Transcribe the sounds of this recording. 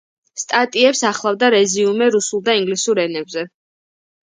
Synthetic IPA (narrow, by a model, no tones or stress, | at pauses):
st̪ʼat̪ʼiɛpsaχlˠavd̪aɾɛziumɛɾusulˠd̪aiŋɡlisuɾɛnɛbzɛ